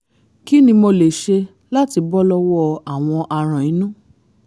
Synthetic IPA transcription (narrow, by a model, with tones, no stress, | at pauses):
ki˦nĩ˧mo˧le˨ʃe˧ | la˦ti˧bɔ˦lɔ˧wɔ˦a˨w̃ɔ̃˧ʔa˧ɾ̃ã˨ĩ˨˦nũ˦